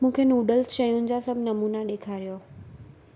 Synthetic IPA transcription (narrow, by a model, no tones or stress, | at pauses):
mũːkʰenuːɖəlsʃɐjʊnɪ̆d͡ʑasɐbʱɪnɐmuːnaɗeːkʰaːɾijo